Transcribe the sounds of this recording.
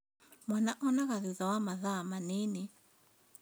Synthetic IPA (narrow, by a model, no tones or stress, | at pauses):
mwanaʔɔnaɣaðiðawamaðamaneni